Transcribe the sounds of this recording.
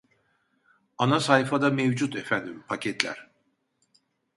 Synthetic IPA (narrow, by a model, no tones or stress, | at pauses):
anasajfad̪amevd͡ʒut̪ʰefænd̪impʰacʰɛt̪ʰlʲæ̰ɾ̥